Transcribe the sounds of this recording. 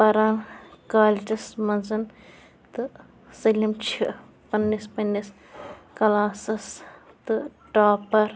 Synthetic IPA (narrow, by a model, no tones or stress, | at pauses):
pɐɾaːnkaːlʈismɐnzɐn | t̪ɨ | sɐlʲimt͡ʃʰi | pɐnːispɐnːis | kɐlaːsɐs | t̪ɨʈaːpɐɾ